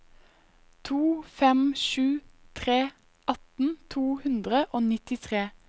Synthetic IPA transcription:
t̪ʰuːfɛmʃʉːt̪ʰʁeː | ʔɑt̪n̩t̪ʰuːhʉnd̪ʁəʔoːnɪt̪ɪt̪ʰʁeː

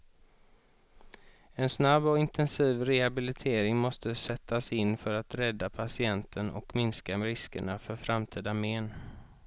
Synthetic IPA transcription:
ɛnsnabːɔɪnt̪ʰɛnsiːvɾɛhabɪlɪt̪ʰeːɾɪŋmɔst̪əsɛt̪ʰːasɪnːfœɾat̪ɾɛd̪ːapʰasɪɛnt̪ʰənɔ̰kmɪnskaɾɪskə̰ɳafœɾfɾamt̪ʰiːd̪ameːn

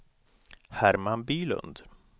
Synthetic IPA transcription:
hæɾmanbyːlɵ̰nd̪

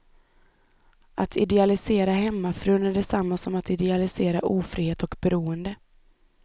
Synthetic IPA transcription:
ʔat̪ʰɪd̪ɛalɪseːɾaɦɛmːafɾʉːnæɖɛsamːasɔmat̪ɪd̪ɛalɪseːɾaʔuːfɾiːheːt̪ɔkbɛɾuːənd̪ə

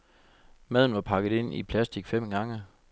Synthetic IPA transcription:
mæð̰ˠn̩ʋɑ̈pʰɑ̈ɡ̥ð̩ˠe̝n̰ipʰlæsd̥iɡ̥fem̰ɡ̥ɑ̈ŋə

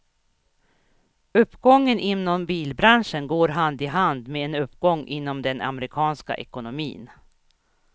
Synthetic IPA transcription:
ɵpːɡɔŋːənʔɪnːɔmbiːlbɾanʂənɡoːɾɦand̪ɪɦand̪meːɛnɵpːɡɔŋːʔɪnːɔmd̪ɛna̰mɾɪkʰɑːnska̰ʔɛkʊnʊmḭːn

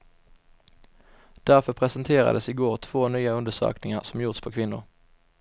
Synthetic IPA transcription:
d̪̥æʁfɔpʰʁɛsənt̪ʰeːʁə̰d̪əsiːɡoːʁt̪ʰʋoːnyːəʉnd̪əsø̰ːknɪŋəʁsɔmjʊʁt̪spʰoːkʰʋɪnʊ̰ʁ

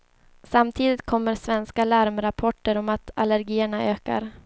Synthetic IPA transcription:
samt̪ʰiːd̪ɪt̪̚kʰɔmːəɾsvɛnskalæɾmɾapʰɔʈːəɾɔmat̪aləɾɡiːəɳaøːka̰ɾ

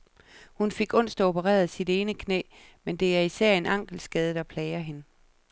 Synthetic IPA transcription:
hunfe̝ɡ̥ɔ̽n̰sd̥o̝pəʁɛ̰ːɐðˠsid̥e̝ːnəkʰnḛː | mend̥e̝æɐisæɐ̰e̝nɑ̈ŋ̰ɡ̥l̩sɡ̥ɛð̞ˠəd̥ɑ̈pʰlɛɪɐɦe̝nə

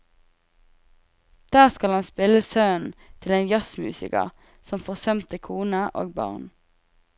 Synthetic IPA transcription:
d̪̥æːʁskɑlhɑnspɪləsœːn̩t̪ʰɪleːnjɑsmʉ̰ːsɪ̰kə̰ʁ | sɔmfoːʁsœmt̪əkʰuːnəʔo̰ːɡ̚bɑ̰ʁn

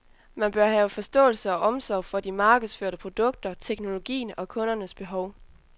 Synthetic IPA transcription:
mænb̥ɶɐɦɛːʊfɒ̽sd̥ɔ̰̽ːl̩səɒ̽ʔɒ̽msɒʊfɒ̽d̥imɑ̈ːɡ̥əðˠsføɐɾəpʰʁo̝d̥ɔ̽ɡ̥̚d̥ɐt͡sʰeɡ̥no̝lo̝ɡ̥ḭːn̩ɒ̽kʰɔ̽nɐnəsb̥e̝ɦɒʊ

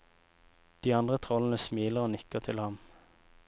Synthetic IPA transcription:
d̪̥iːɑnd̪ʁət̪ʰʁɔlən̩əsmiːləʁoːnɪkəʁt̪ʰɪlhɑm

